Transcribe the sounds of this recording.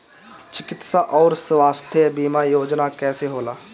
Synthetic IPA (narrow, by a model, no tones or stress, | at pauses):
t͡ʃɪkɪt̪saʔɔːɾswaːst̪ʰəbiːmajoːd͡ʒnakɛːseɦoːlaː